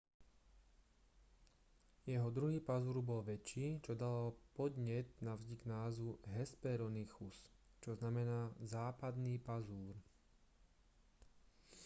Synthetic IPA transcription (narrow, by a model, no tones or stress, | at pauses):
jɛɦɔd̪ɾuɦiːpazuːɾbɔlʋɛt͡ʃːiːt͡ʃɔd̪alapɔd̪ɲɛt̪navzɟiɡnaːzuɦɛspɛɾɔnixust͡ʃɔznamɛnaːzaːpad̪niːpazuːɾ